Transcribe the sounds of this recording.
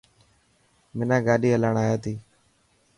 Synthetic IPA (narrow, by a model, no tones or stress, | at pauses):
mɪnãːɡaːɗiːəlaːɳaːjaːt̪iː